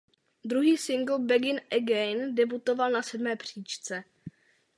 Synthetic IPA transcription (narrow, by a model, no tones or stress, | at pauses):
d̪ɾuɦiːsɪŋɡl̩bɛɡɪnʔɛɡɛjndɛbut̪o̞valnasɛdmɛːpr̝̥iːt͡ʃt͡sɛ